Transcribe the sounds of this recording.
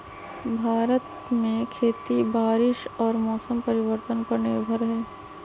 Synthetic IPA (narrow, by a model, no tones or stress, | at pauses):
bʱaːɾət̪ | mẽkʰeːt̪ibaːɾɪʃɔːɾmɔːsəmpɐɾɪʋəɾt̪ənpɐɾnɪɾbʱəɾɦɛː